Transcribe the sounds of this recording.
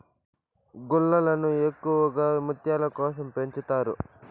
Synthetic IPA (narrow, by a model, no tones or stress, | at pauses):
ɡuɭːɐlɐnuekːuʋɐɡaːmut̪jaːlɐkɔːs̬ɐmpe̞ɲt͡ʃut̪aːɾṵ